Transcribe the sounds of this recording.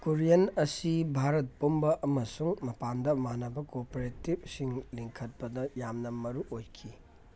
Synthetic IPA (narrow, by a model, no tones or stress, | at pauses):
koɾijɐnɐsibʱaɾɐt̚pombɐʔɐmɐsuŋmɐpandɐmanɐbɐkopoɾetib̚siŋliŋkʰɐt̚pɐdɐjamnɐmɐɾuʔojkʰi